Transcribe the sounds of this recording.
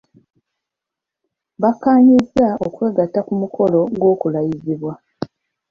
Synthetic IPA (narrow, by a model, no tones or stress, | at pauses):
βakːaːɲizːaokwe̞ːɡatakumukʰo̞lo̞ɡwo̞ːkulajiziβwa